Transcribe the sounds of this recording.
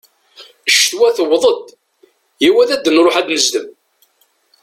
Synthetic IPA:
ʃt̪wæθəwðˤəd̪ | jiwæðæd̪ːənɾˤoħæd̪məzd̪əm

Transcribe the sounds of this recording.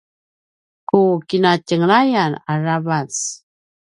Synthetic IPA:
kukinacəŋɾajanaravas

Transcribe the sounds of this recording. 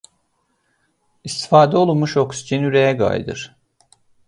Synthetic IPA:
ist̪ʰi̥faːd̪ɛo̞lˠunmuʃoksi̥d͡ʒinyɾejɛɡa̰jd̪ɯ̰ɾ̥

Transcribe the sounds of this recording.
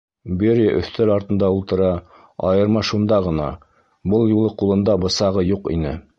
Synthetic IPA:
biɾæʔɵ̰̆θt̪ælɑɾt̪ɤ̆nd̪ɑulˠt̪ɤ̆ɾɑ | ɑ̰jɤ̆ɾmɑʃund̪ɑʁɤ̆nɑ̰ | bɤlˠjulˠɤqulˠɤ̆nd̪ɑbɤ̆sɑʁɤjuqḭnɘ

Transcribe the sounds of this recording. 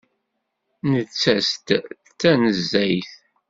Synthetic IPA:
nət͡sːæst̪ | t͡sːænəzːæjθ

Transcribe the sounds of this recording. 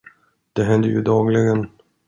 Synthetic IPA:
d̪̥ɛɦɛnd̪əjɵd̪ɑːɡlɪɡən

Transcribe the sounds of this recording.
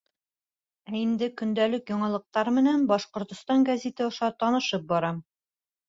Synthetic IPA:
æind̪ɘkɵ̆nd̪ælɘkjɒɴɑlˠɤ̆q̚t̪ɑɾmɘ̆nænbɒʃqŏɾt̪ŏst̪ɑŋɡæzʲit̪ɘŏʃɑt̪ɒnɤ̆ʃɤp̚bɒɾɑm

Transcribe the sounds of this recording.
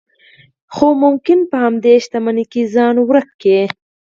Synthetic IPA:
xomʊmkɪnpəhamd̪eʃt̪amanikizɑnwɾəkːe

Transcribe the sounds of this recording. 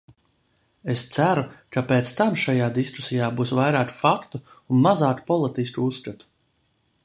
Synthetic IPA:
est̪sæɾukapet̪st̪amʃajaːd̪isku̥sijaːbuːsvajɾaːkfakt̪u | unmazaːkpɔlˠit̪is̬kuussːkat̪u̥

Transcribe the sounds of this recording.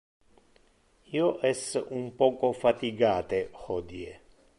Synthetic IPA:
iːoʔɛsːumpɔːkofat̪iɡaːt̪ehɔd̪ie

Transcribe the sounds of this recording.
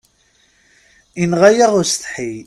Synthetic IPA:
inʁajaʁʊɾsθħi

